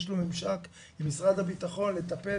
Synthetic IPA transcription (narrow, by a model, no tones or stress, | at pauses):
ʃlomimʃak | imisʁad̪habit̪aχo̞nle̞t̪ape